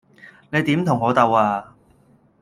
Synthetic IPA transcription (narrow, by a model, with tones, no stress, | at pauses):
ne˨˧jt̪iː˨˥mt̪ʰʊ˨˩ŋːɔː˨˧t̪ɐ˨˧waː˧